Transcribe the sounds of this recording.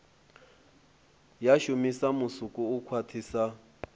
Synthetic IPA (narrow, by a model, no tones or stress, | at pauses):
jaʃʊmisamʊsukʼuːkʰwatʰiːsa